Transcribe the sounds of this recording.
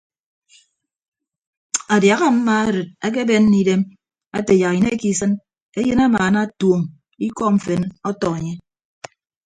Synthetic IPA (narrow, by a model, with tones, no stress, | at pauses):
a˨dja˨ɣa˦m̩˦ma˦a˦ɾɨ˨t̚a˦k̬e˦be˦nː˦i˦de˦m | a˦te˨ja˨ki˨ne˦ki˦˨sɨ˦n | e˦jɨ˦na˦maː˨na˦two˨ŋ | i˦kɔ˦m̩˨fe˨nɔ˦tɔ˨e˨ɲe˦